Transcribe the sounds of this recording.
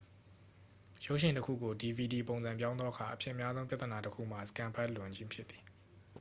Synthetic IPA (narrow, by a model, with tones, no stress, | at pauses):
jo˦ʊʔʃɪ̃˨ntəkʰṵ˦˨ɡo˨di˨vi˨di˨põ˨zã˨mpjã˦ʊ̃nd̪ðɔ˦ʔəkʰa˨ʔə˨pʰjɪ̰̃˦ʔə˨mja˦zõ˦pja˦t̪əna˨təkʰṵ˦˨m̥a˨sə̥kã˦˨mpʰa˦ʔlʊ̃˨ɲd͡ʑɪ̃˦mpʰjɪ˦ʔ̪t̪θi̥˨